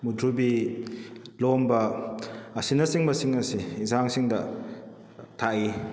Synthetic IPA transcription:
mudʱubi | lombɐ | ɐsinɐsiŋbɐsiŋɐsiːzaŋsiŋdɐ | tʰaʔi

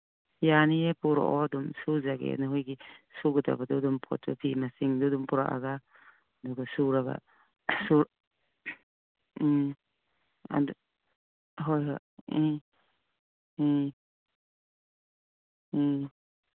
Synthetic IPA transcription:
ijaniepuɾɔ̰ʔɔdɔmsuzaɡḛnaɦujɡisuɡɯda̰badɔdɔmpʰɔ̰tɔ̰pʰimasiŋdudumpuɾa̰ʔa̰ɡa | duɡasuɾaɡa̰ | suɾ | a̰d | ɦɔjɦɔ

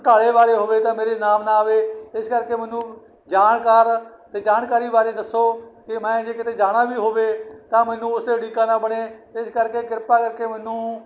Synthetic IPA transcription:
ʈaːɽeːbaːɾeːɦoːʋeːt̪ãːmeːɾeːnaːmnaːʋeːɪskəɾkeːmɛːnũː | d͡ʒaːɳkaːɾ | t̪eːd͡ʒaːnkaːɾiːbaːɾeːd̪əsːoːkɪmɛ̃ːd͡ʒeːkɪt̪eːd͡ʒaːɽ̃aːbiːɦoːʋeːt̪ãːmɛːnũːʊsd̪eːɽiːkaːnãːbəɽeːɪskəɾkeːkɪɾpaːkəɾkeːmɛːnũː

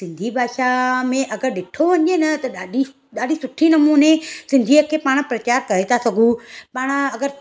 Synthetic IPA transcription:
sɪ̃nd̪ʱibʱaːʃamẽʔɐɡəɾɗɪʈʰoʋɐɲ̆d͡ʑenɐt̪ɐɗaːɗi | ɗaːɗisʊʈʰinɐmuːnesɪ̃n̆d̪ʱiəkʰeːpaːɽ̃pɾɐt͡ɕaːɾkɐɾet̪ʰasɐɡʱũpaːɽ̃̆ɐɡəɾ

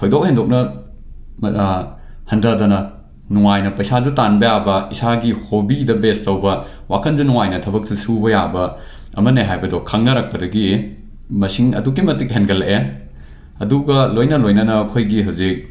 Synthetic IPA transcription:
kʰojdok̚hendok̚nɐ | hɐndɐdɐnɐ | nuŋajnɐpɐjsad͡ʒutanbɐjabɐisaɡihobidɐbestɐwbɐ | wakʰɐnd͡ʒunuŋajnɐtʰɐbɐk̚susubɐjabɐ | ɐ̰mɐneɦajbɐdɔkʰaŋnɐɾɐk̚pɐdɐɡi | mɐsiŋɐ̰duk̬ːimɐtik̚ɦenɡɐlʔe | ɐduɡɐlojnɐlojnɐnɐkʰojɡiɦɐwzik̚

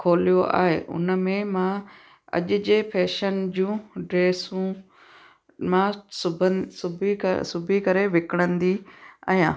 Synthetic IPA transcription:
kʰoːlijoʔa̰ːɦḛːʔʊ̰nəmẽmã | ɐ̰ʄʊ̆d͡ʑeːpʰɛːʃənd͡ʑũːɖɾeːsũ | mãsʊbəsʊbisʊbʱikɐɾeʋɪkɪɽ̃ə̃nd̪ia̰jãː

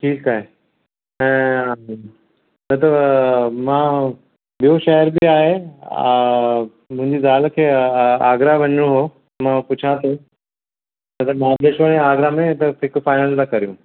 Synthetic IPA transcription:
ʈʰiːkaːɦe | ɛ̃ː | nɐt̪̬əbmãː | ɓijoʃɐɦəɾbɪaːɦe | mʊ̃ɦɪ̃ɲd͡ʑizaːlkʰeːaːɡɾaʋɐɲəɽ̃õɦo | mãpʊt͡ɕʰãt̪ʰõ | nɐt̪ɐmãːd̪eʃʋəɽ̃iaːɡɾamẽt̪ɐɦɪkfaːɪnəlt̪ãkɐɾijũ

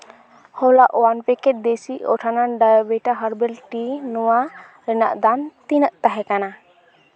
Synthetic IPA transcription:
hɔlaʔwanpɛkɛt̪̚d̪esiʔɔ̰ʈʰanaɖajbɛʈaɦəɾbɛlʈinɔwa | ɾɛna̰ʔd̪ant̪inəʔt̪aɦɛkana

